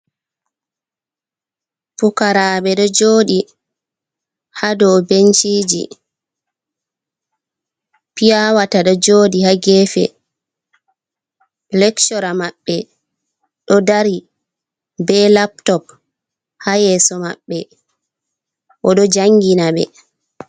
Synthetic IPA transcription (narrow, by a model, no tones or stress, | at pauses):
pukaɾaːɓɛɗɔd͡ʒoːɗi | hadɔbent͡ʃiːd͡ʒḭ | pijawataɗɔd͡ʒoːdihaɡɛːfɛ̰ | lɛkt͡ʃɔɾamaɓːɛ | ɗɔdaɾi | bɛlaptɔp̚ | hajɛːsɔma̰ɓːɛ | ʔɔɗɔd͡ʒaŋɡinaɓɛ̰